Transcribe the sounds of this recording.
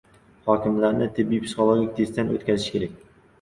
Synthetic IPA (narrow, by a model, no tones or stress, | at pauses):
hɒkʲɪmlaɾnɪt̪ʰɪbːijpʰsɨχolˠoɡʲik̚ʲt̪ʰest̪ano̰t̪kʲazɪʃkʲʰeɾak̚ʲ